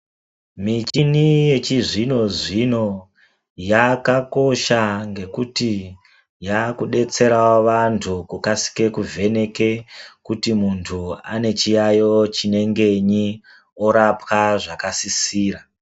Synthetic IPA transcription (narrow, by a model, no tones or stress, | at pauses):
mit͡ʃinije̞t͡ʃiʐino̞ʐino̞ | jakako̞ʃaŋɡe̞kuti | jakuɗe̞t͡se̞ɾawoʋantʰukukasi̥ke̞kuvʱe̞ne̞ke̞kutimuntʰua̰ne̞t͡ʃijajo̞t͡ʃine̞ŋɡe̞ɲi | o̞ɾapwaʐakasisiːra